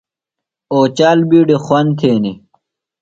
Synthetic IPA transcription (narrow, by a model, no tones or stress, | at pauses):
oːt͡ɕaːlbiːɖixwɐnt̪ʰeːni